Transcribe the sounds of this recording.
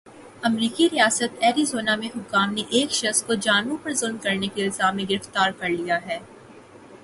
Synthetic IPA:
ɐmɾiːkiɾijaːsət̪ɛːɾizoːnamẽɦʊkːaːmneʔeːkʃɐxskod͡ʒaːnʋõpɐɾzʊld̪kɐɾnekiɪlzaːbmːẽɡɪɾɪft̪aːɾkɐɾlijaɦɛː

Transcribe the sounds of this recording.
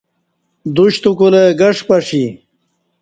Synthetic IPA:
d̪uɕt̪ukuleɡɐʂpɐʂi

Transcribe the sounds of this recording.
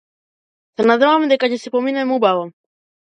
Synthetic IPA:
sɛnad̪ɛvamd̪ɛkacɛsɛpɔminɛmubavɔ

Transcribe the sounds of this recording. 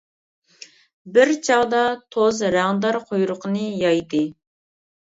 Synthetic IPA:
bɪɾt͡ʃʰɑʁd̪ɑt̪ʰozɾæŋd̪ɑɾqʰojɾʊqənɨjɑjd̪ɨ

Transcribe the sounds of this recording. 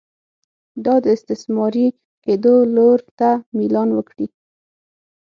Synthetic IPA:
d̪ɑd̪əɪst̪ɪsmɑɾi | ked̪oloɾt̪amilɑnwəkɽi

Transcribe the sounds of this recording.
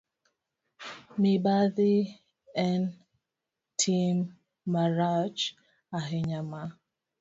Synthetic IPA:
mɪbaðɪ | ɛn | tʰimː | aɾat͡ʃ | aɦɪɲama

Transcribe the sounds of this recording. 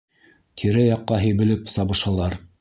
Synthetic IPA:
t̪ʰiɾɘjɑqːɑɦɘ̆jβɘ̆lɘpsɑβɤ̆ʃɑlˠɑɾ

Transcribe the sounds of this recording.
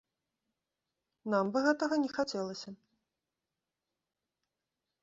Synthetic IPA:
nambɨɣɛt̪ɐɣɐnʲɛxat͡sʲɛlˠɐsʲɐ

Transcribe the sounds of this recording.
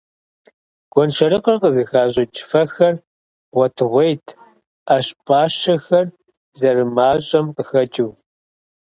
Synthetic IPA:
ɡ̥ʷɔnʃɐɾɨqɐrqəzɨxaːʑʼɪt͡ʃʼfɐxɐr | ʁʷɔtʰɨʁʷejtʰ | aːɕpʼaːɕɐxɐr | zɐrɨmaːɕʼɐmqəxɐt͡ʃʼiw

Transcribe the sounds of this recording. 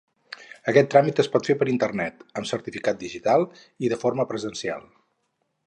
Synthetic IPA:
əkɛt̪ːɾamit̪əspɔt̪fepəɾint̪ərnɛt̪əmsəɾt̪ifikat̪̚d̪iʒit̪alˠ | iðəfoɾməpɾəzənsia̰lˠ

